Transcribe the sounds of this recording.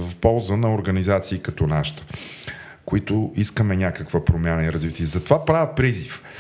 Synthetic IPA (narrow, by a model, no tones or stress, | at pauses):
vɐfpɔlˠzənɐoɾɡənizat̪siːkɐt̪ɔnaʃt̪ə̥ | koit̪ʊiskəmɛnʲakəkvəpɾomʲjanəiɾɐzvit̪iɛzɐt̪ovapɾavʲəpɾizif